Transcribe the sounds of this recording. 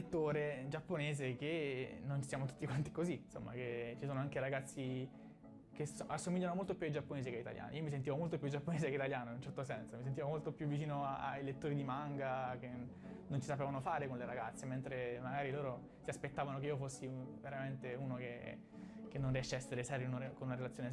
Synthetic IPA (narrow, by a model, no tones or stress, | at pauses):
lt̪ːoːɾed͡ʒapːoneːzekenonsjaːmot̪u̥t̪ːikwant̪ikozinso̰mːa̰ket͡ʃisoːnoaŋkeɾaɡat̪sːi | kesasːomiʎːanomolt̪opjuaid͡ʒapːoneːsekeit̪a̰ljʔa̰ːno̰iːomis̬ent̪ivomolt̪opjud͡ʒapːoneːzekeit̪aljaːnoinunt͡ʃɛrt̪osɛnsomis̬ent̪ivomolt̪opjuvːit͡ʃiːnoaajlet̪ːoːɾid̪imaŋɡake | nont͡ʃisapeːvanofaːɾekonleɾaɡat̪sːement̪ɾemaɡaːɾiloːɾo | t̪iaspet̪ːaːvanok̬eiofosːiveɾament̪euːnoke | kenːonriɛʃːeɛsːeɾesɛɾiunkonunaɾelat̪sjoːne